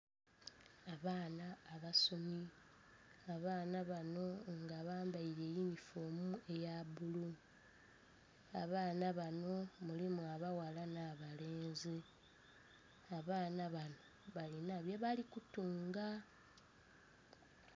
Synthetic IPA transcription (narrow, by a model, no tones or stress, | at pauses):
aβaːnaːβaso̞mi | aβaːnaβano̞ŋɡaβaːmbaiɾejinifoːmue̞jabulu | aβaːnaβano̞mulimuaβawalanaβale̞ːnze | aβaːnaβanoβalinaβjeβalikutuːŋɡa